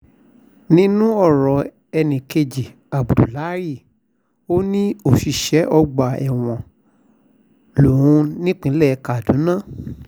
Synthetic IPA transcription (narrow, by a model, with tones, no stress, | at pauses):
nĩ˦nũ˦ɔ˦˨ɾɔ˨ | ɛ˧nĩ˨ke˧d͡ʒi˨ | a˨bu˨du˨la˨˦ɾi˦˨ | o˦nĩ˦o˦˨ʃi˨ʃɛ˨˦ʔɔ˧ɡ͡ba˨ɛ̰˨w̃ɔ̃˨ | lu˨ɾũ˨˧˦nĩ˦k͡pĩ˨˧˦lɛ˦˨˧ka˨dũ˨˦nã˦˨